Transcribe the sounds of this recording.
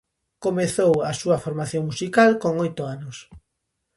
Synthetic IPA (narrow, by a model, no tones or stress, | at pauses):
komeθowɐsuɐfoɾmaθjoŋmusikalkoŋojt̪ʊanʊs